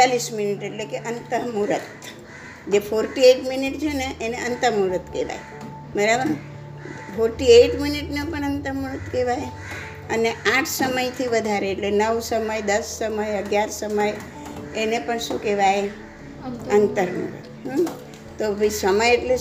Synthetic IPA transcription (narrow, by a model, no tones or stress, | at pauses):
alisminiʈeʈlekeʔənt̪əɾmuɾət̪ | d͡ʒefʰoɾʈieʈminiʈt͡ʃʰeneʔːneənt̪əmuɾət̪keʋa̰j | məɾabəɾ̃ | fʰoɾʈieʈminiʈnapəɳənt̪əmuɾət̪keʋaj | əneãʈʰsəməjt̪ʰiʋəd̪ʱaɾeːʈlenəʋsəməjd̪əsːəməjəɡjaɾsəməj | enepəɳʃũkeʋaj | ənt̪əɾmṵɾə̰t̪ɦ̪ː | oʋisəməjeʈle